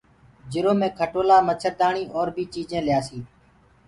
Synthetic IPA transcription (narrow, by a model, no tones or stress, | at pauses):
d͡ʒɪɾoːmẽːkʰəʈoːlaːmət͡ʃʰəɾd̪aːɳiːʔoːɾbʱiːt͡ʃiːd͡ʒẽːljaːsiː